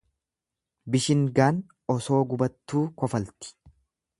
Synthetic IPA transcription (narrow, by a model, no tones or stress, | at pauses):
bɪʃɪŋɡaːn | ɔso̞ːɡʊbɐt̪ːuːkɔfɐlt̪ɪ̥